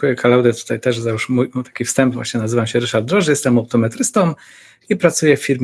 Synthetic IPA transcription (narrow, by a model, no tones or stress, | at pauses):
ujɛkʰalawd̪ɛt̪u̥t̪ajt̪ɛʐzajuʂmujmut̪ḁkʲifst̪ɛmbvwa̰ɕɲɛnazɘvamɕɛɾɘʂaɾd̪d̪ːɾɔʐɘjɛst̪ɛmawt̪ɔmɛt̪ɾɘst̪ɔm | ipɾat̪sujɛfʲfːʲiɾmʲ